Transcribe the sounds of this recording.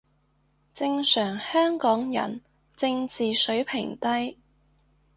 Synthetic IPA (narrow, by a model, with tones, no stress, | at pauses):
t͡sɪ˧ŋsœː˨˩ŋhœː˥ŋkɔː˨˥ŋjɐ̰˨˩n | t͡sɪ˧ŋt͡siː˨sɵ˨˥ɥpʰɪ̰˨˩ŋt̪ɐ˥j